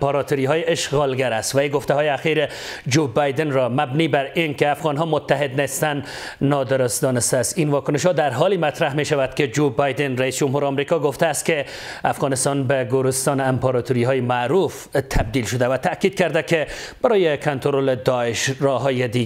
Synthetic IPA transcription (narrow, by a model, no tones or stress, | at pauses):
pɑɾɑt̪oɾiɦɒːjeeʃɣɒlɡaɾæst̪væjɡoft̪ahɒːjeaxiɾe | d͡ʒobɑjd̪enɾɒmæbniːbæɾinkeafɣɒnɦɒmot̪ʰːaɦed̪nest̪ænː | ɒd̪eɾost̪̚d̪ɒnest̪æːst̪invɒkʊneʃhɒd̪æɾɦɒlimæt̪ɾahmeʃavæd̪ked͡ʒobɑjd̪enɾæiːsd͡ʒʊmɦuːɾɒmɾikɒɡoft̪æːst̪̚ke | afɣɒnɪst̪ɒnbeɡoɾest̪ɒːnampɑɾɒt̪uɾiɦɒːjemaɾuf | t̪ʰæb̚d̪ilʃod̪avæt̪ʰækiːd̪̚kæɾd̪ækeb̥aɾɒːjekʰont̪oɾoled̪ɒeʃɾɒɦɒːjed̪i